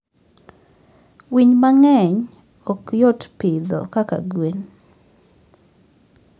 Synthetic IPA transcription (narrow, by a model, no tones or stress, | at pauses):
wiɲmaŋɛɲ | ɔkjɔtpɪd̪ɔ̰kaka̰ɡwen